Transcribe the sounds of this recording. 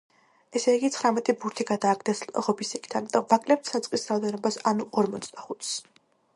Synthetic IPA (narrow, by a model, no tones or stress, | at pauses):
ɛsɛiɡit̪sʰχɾamɛt̪ʼibuɾt̪ʰiɡad̪aːɡʰd̪ɛsʁɔbisikʰt̪ʰanmit̪ʼɔmvakʼlɛp̚t̪ʰsat̪sʼqʼisɾaɔd̪ɛnɔbasanuʔɔɾmɔt̪sʼd̪aχut̪ʰs